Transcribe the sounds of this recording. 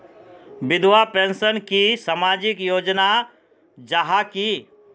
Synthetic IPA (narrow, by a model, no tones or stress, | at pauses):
bɪd̪ʋapẽnsənkisamaːd͡ʒɪkjoːd͡ʒna | d͡ʒaɦaki